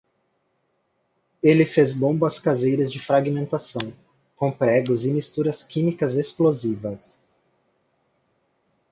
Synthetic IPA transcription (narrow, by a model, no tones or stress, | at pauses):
elɪfezbõbɐskazejɾɐzd͡ʒɪfɾaɡimẽnt̪asɐ̃w̃ | kõpɾɛɡʊzɪmist̪uɾɐskĩmikɐzesplozivɐs